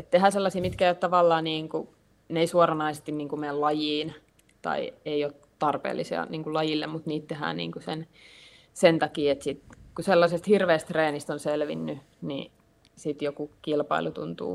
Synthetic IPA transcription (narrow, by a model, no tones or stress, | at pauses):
et̪t̪ehæːselːɑsiːmit̪kæːjot̪t̪ɑʋɑlːɑːniːŋku | neisuorɑnɑisest̪inniːŋkumeællɑjiːn | t̪ɑ̰ieiot̪t̪ɑrpḛːlːisiɑ̰niːŋkulɑjilːemmut̪niːt̪t̪ehæ̰ːnḭːŋkusen | sent̪ɑkiːet̪sit̪kuselːɑsest̪hirʋeːst̪reːnist̪onselʋḭnːy | nḭ | sit̪jokukilpɑ̰ilut̪ṵnt̪ṵː